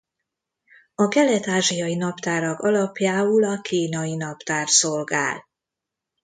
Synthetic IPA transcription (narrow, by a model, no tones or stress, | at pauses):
ɒkɛlɛt̪aːʒijɒjinɒpt̪aːɾɒkɒlɒpjaːulɒkiːnɒjinɒpt̪aːrso̞lɡa̰ːl